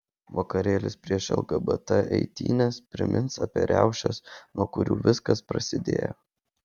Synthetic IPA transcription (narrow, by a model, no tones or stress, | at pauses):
ʋokɐɾʲeːlʲɪspʲɾʲiɛʃɛ̰lˠɡɐbɐt̪ɐʔɛ̰ɪt̪ʲḭːnʲɛspʲɾʲɪ̰mʲɪnsɐpʲiɛɾʲæʊʃʲɛsnuɔkʊɾʲuːʋʲɪskɐspɾɐsʲɪd̪ʲḛːjɛ̰